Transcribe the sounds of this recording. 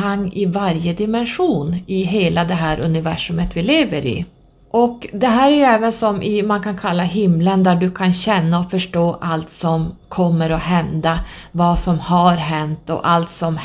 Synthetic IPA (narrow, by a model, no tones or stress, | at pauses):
aŋːɪvaɾjəd̪ɪmɛnɧuːnɪɦeːlad̪ɛɦæːɾʔɵ̰nɪvæʂɵmət̪vɪleːvəɾɪ̰ | ʔɔkd̪ɛɦæːɾæɾjɵɛːvənsɔmʔɪmankʰankʰalːaɦɪmlənd̪æɖɵkʰanɕɛnːaɔfœʂʈoːʔalt̪sɔmkʰɔmːəɾɔɦɛnd̪a | vɑsɔmhaɾɦɛnt̪ɔ̰ʔalt̪sɔm